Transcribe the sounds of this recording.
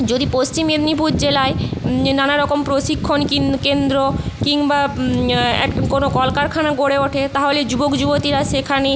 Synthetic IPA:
d͡ʑod̪ipost͡ɕimed̪nipuɾd͡ʑelaenanaɾɔkompɾoʃikʰːonkikend̪ɾokiŋba | ɛ̰konokɔlkaɾkʰanaɡoɽeoʈʰet̪aɦoled͡ʑubokd͡ʑubot̪iɾaʃekʰane

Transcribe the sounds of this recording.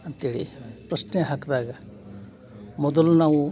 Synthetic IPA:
ɐnt̪iːɽḭpɾɐsneɦaːkd̪aːɡɐ | mɔd̪ɐlːunaːʋu

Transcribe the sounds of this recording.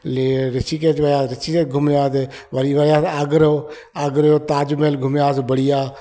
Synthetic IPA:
leɾɪt͡ʃiːket͡ʃʋəjaːɾɪt͡ʃiːkeɡʱʊmjaːse | ʋəɾiʋəjaːaɡɾoː | aɡɾoːt̪aːd͡ʒmeːlɡʱʊmjaːsbəɽijaː

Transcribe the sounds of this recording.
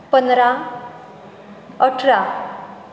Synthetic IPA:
pənɾa | əʈʰɾa

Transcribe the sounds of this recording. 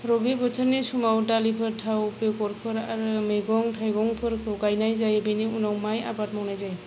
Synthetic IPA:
ɾɔbibɔtʰɯɾnesumawdalipʰɯɾtʰawpekɔɾpʰɯɾaɾɯmejɡɔŋtʰajɡɔŋpʰɯɾkʰɯwɡajnajzajbejniunawmaja̰bat̚mɔwnajzaj

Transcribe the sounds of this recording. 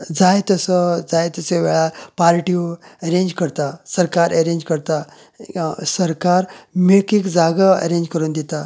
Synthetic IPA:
d͡zajt̪əsəd͡zajt̪əseʋɛɭapaɾʈiəɾẽɲd͡ʑkəɾt̪asəɾkaɾəɾẽɲd͡ʑkəɾt̪a | səɾkaɾmiɭkiːkd͡zaɡəə̰ɾẽɲd͡ʑkəɾuːnd̪et̪a

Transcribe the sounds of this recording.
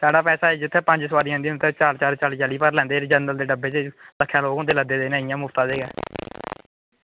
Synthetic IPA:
saːɽaːpɛːsaːeːd͡ʒɪt̪ʰːeːpə̃ɲd͡ʒsəʋaːɾĩːnd̪ĩːt̪ʰet͡ʃaːlt͡ʃaːɾt͡ʃaːlːt͡ʃaliːpəɾlɛ̃ːnd̪eːɾd͡ʒənd̪əld̪eːɖəbːeːt͡ʃeləkʰːjãːloːɡõːd̪eːləd̪eːd̪eːnãːɪjãːmʊft̪ãːd̪eːɡɛ̰ː

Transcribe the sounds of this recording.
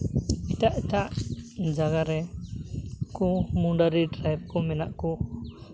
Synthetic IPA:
ɛt̪aʔɛt̪aʔd͡ʒaɡaɾɛ | kɔmuɳɖaɾiʈɾajb̚kɔmɛnaʔkɔ

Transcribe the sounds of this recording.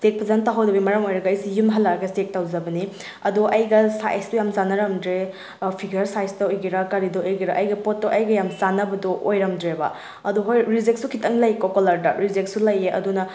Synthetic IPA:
sek̚pɐzantaɦawdɐbimɐɾɐmojɾɐɡɐɐjsijumɦɐlːaɾɐɡɐstek̚tawzɐbɐni | ɐduʔɐjɡɐsa̰jstujamzanɐɾɐmdɾe | pʰiɡɐɾsajstɐojɡiɾɐkɐɾidɔojɡiɾɐʔɐjɡɐpot̚ːoʔɐjɡɐjamzanɐbɐdɔʔojɾɐmdɾebɐ̰ | ɐduɦojɾizeksukʰitɐŋlɐjkokolɐɾdɐɾizeksulɐjeʔɐ̰dunɐ

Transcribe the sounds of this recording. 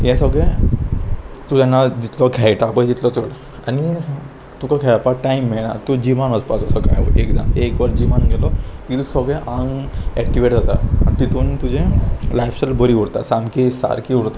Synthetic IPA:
jɛ̃səɡɭe | t̪ut̪anːad͡ʑit̪lɔkʰajʈapə̃d͡ʑit̪lɔt͡səɽ | ani | t̪ukakʰajapaʈaimːeɭna̰t̪ud͡ʑiʋanəspasɔsəka̰jekd͡za̰mekʋaɾd͡ʑiʋanɡʱelɔk̪it̪usəɡɭeʔãŋɡɛk̚ʈiʋeʈd͡zat̪a̰a̰nit̪it̪ʰuːnt̪ud͡ʑẽlajfsalbəɾiʋuɽt̪a̰samkisa̰ɾkiuɽt̪a

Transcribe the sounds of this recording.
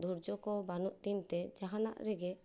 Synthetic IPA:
d̪ʱuɾd͡ʒɔkɔbanuʔd̪int̪ɛd͡ʒaɦana̰ʔɾɛɡɛ

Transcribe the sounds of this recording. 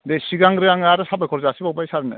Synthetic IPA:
desiɡaŋɡɯɾɯjaŋaɾɯsabajkʰɔɾzɯasibak̚bajsaɾɯnɯ̰

